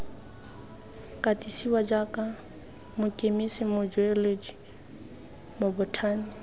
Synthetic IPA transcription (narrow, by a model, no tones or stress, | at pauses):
kʼatʼisiwad͡ʒakʼa | mʊkʼemisɪmʊd͡ʒɔelod͡ʒi | mʊbʊtʰaːni